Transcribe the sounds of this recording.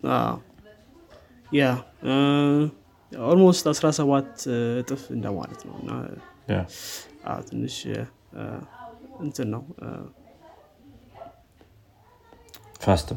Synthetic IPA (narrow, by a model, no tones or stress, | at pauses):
a̰ | ja | oɾmost̪asɾasəβat̪ːt̪ʼɨfɨnd̪əwma̰lət̪nə̰wɨ̰nːa̰ | ʔa̰t̪ʰɨnːɨʃ | ɨnt̪ʰɨnːəw̰ | fast̪